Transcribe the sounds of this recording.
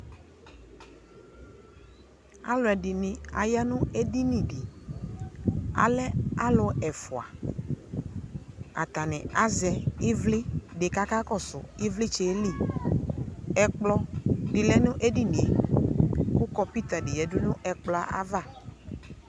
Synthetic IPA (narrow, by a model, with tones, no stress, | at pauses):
a̰˦lʊ˨ɛ˨dɪ˨nɪ̃˨a̰˨ja˦nʊ̃˦e˦di˦nĩ˨di˨ | a̰˨lɛ˦a˦lʊ˦ɛ˨fʊ˨a̰˨ | a̰˨t̪a˨nɪ̃˨a˦zɛ˨ɪ˦vlɪ˦ɖɪ˨ka˦ka˦kɔ˦sʊ̰˨ɪ˦vlɪ˦t͡ʃe˨˦li˦˨ | ɛ˨k͡plɔ˦ɖɪ˨lɛ˦nʊ̃˦ʔe˦di˦nĩ˨ḛ˨ | ku˦kɔ˦pi˦t̪a˨dɪ˨jɛ˨dʊ˦nʊ̃˦ʔɛ˨k͡plɔ˦a˦ʔa̰˦va˦˨